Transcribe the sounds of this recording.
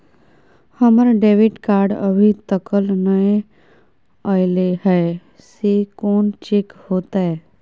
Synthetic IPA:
həməɾɖeːʋɪʈkaːɾɖə̰bʱit̪əkəlnəẽ | ɔjleɦɛe | sekoːnt͡ʃekhoːt̪aɦɛ

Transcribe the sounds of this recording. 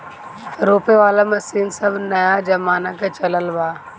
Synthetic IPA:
ɾoːpeʋaːlamɐsiːnsɐbʱnɐjad͡ʒɐmaːnaket͡ʃɐləlʋaː

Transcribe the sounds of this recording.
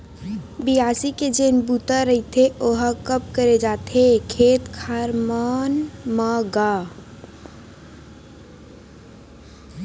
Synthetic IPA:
bijaːsiked͡ʒeːnbut̪aɾəɦit̪ʰeoɦakəp̚kəɾed͡ʒaːt̪ekʰeːt̪kʰaːɾmanmaɡaː

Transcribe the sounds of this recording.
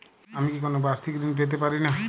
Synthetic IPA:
amikikonobaɾt̪ʰikɾinpet̪̬epaɾina

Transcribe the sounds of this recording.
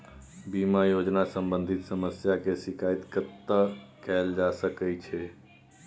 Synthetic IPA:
bimajod͡ʒnasəmbə̃nd̪ʱit̪səməsjakesɪkʰait̪kət̪ːəkɛld͡ʒasəkət͡ʃʰɛ

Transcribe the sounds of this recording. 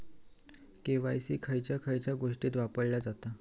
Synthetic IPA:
keʋajsiːkʰəjt͡ɕjakʰəjt͡ɕjaɡoʂʈiːt̪ʋapəɽlad͡zat̪a

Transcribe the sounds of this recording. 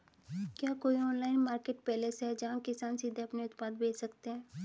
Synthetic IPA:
kjaːkoːiɔːnlaːɪnmaːɾkeːʈpɛːlesɦɛd͡ʒɐɦãkɪsaːnsiːd̪ʱeɐpneʊt̪paːd̪̚bʱeːt͡ʃsɐkt̪eɦɛ̃ː

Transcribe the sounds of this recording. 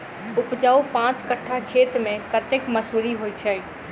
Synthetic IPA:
upd͡ʒaupãt͡ʃkəʈʰːakʰet̪mẽkət̪ekməsuɾiɦojt͡ʃʰə

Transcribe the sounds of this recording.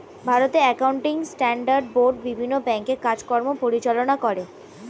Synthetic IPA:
bʱaɾot̪eɾɛkawɳʈiŋsʈɛɳɖaɾɖboɾɖ̚bibʱinːobɛŋkeɾkad͡ʑkɔɾmopoɾit͡ɕalonakoɾe

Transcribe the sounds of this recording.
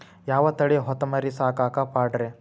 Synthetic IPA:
jaːʋɐt̪ɐɽiɦɔt̪ːɐmɐɾisaːkaːkapaːɖɾe

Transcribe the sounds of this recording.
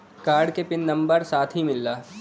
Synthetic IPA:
kaːɾɖkepɪnːɐ̃mbəɾsaːt̪ʰɦimɪlːaː

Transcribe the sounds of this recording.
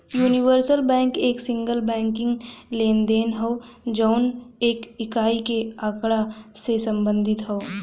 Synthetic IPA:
juːniʋəɾsəlbɛ̃ːŋkeːksɪ̃ŋɡəlbɛ̃ːŋkɪ̃ŋɡleːnd̪eːnɦoː | d͡ʒɔːneːkɪkaːikeaːkɽasesɐ̃mbə̃nd̪ʱɪt̪ɦoː

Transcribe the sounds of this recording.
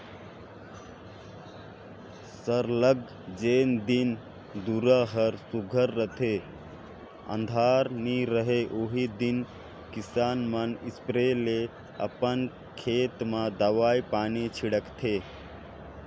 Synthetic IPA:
səɾləɡ | d͡ʒeːnd̪in | d̪uɾəɦəɾsuɡʱəɾːət̪ʰe | ə̰̃nd̪ʱaːɾniɾəɦeʔoɦid̪in | kisaːnmənispɾele | ə̰pən | kʰeːt̪mãd̪əʋaːjpaːnit͡ʃʰiɽəkt̪ʰe

